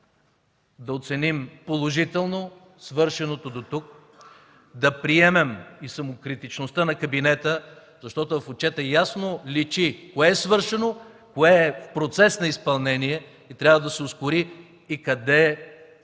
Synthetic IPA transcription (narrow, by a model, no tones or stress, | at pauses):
d̪ɐot̪sɛnimpolˠoʒit̪ɛlˠno | svɤɾʃɛnot̪od̪ot̪uk̚ | d̪ɐpɾiɛmɛmisɐmokɾit̪it͡ʃnost̪ənɐkɐbinɛt̪ə | zɐʃt̪ɔt̪ʊvɐfot͡ʃɛt̪ɛjasnolit͡ʃikoɛːsvɤɾʃɛno | koɛːfpɾot̪sɛsnɐispɐlˠnɛniɛ | it̪ɾʲavəd̪ɐsɛoskʊɾiː | kɐd̪ɛ